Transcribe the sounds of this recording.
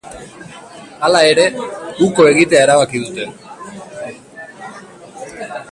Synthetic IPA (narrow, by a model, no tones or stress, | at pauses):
alae̞ɾe̞uko̞e̞ɣit̪e̞ae̞ɾaβakiðut̪e̞